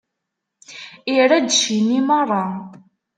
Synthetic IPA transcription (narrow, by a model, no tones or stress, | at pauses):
iɾæd̪ʃinimərˤːɑ